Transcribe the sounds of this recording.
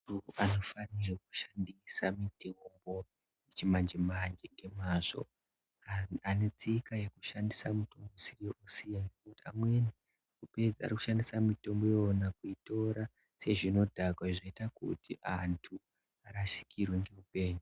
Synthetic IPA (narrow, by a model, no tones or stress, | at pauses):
ruano̞fanireku̥ʃandisamitembo̞ | it͡ʃimand͡ʒemand͡ʒeŋɡe̞maːzo̞̰ | ane̞t͡sikaje̞kuʃandisamuto̞mbosirioʔusijaŋɡekutia̰mweni | uped͡za̰riku̥ʃandisamito̞mbojonakuito̞ɾa | se̞ʐino̞dʱakwaʐaitakṵtʰiʔantʰu | aɾasi̥kʰirwe̞ŋɡe̞upe̞ːɲu